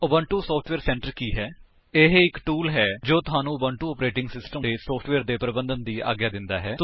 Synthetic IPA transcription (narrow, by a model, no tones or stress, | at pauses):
əbə̃ːɳʈuːsɔːpʰʈʰʋeːɾsɛ̃ːɳʈəɾkiːɦɛː | eːɦɪkʈuːlɦɛːd͡ʒoːt̪ʊɦaːnũːəbaːɳʈuːɔːpɾeːʈɪŋɡsɪsʈəmeːsɔːpʰʈʰʋeːɾd̪eːpɾəbə̃nd̪ənd̪iːʔa̰ːɡjaːd̪ɪnd̪aːɦɛːt̪